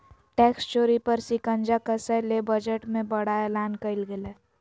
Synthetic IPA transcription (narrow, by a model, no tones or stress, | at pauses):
ʈeːkst͡ʃoːɾipəɾsikə̃nd͡ʒakəsəlebəd͡ʒəʈmẽbəɽaeːlaːnkəɪlɡele